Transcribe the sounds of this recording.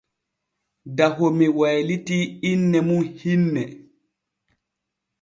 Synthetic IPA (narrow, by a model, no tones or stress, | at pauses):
daɦomiwajlitiinːɛmunhinːɛ